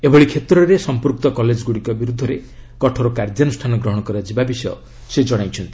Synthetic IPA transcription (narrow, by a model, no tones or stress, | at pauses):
ebɔɽikʰet̪ɾɔɾesɔmpuɾk̚t̪ɔkɔled͡ʒɔɡuɽikɔbiɾud̪ʱːɔɾekɔʈʰɔɾokaɾd͡ʒ̪janusʈʰanɔɡɾɔɦɔɽ̃ɔkɔɾad͡ʒibabisɔjɔ | sed͡ʒɔɽ̃ajt͡ʃʰɔnt̪i̥